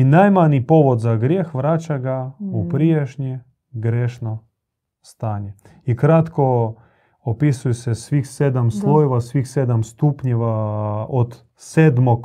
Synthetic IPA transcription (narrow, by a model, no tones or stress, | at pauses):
inajmaɲipoʋod̪zaɡɾjeːxʋɾaːt͡ʃaɡaupɾieʃɲi | ɡɾeːʃno | st̪aːɲɛ | ikɾat̪ko | opisujesɛsʋiːxsed̪amslˠojeʋasʋixseːd̪amst̪uːpɲeʋaot̪ | seːd̪mok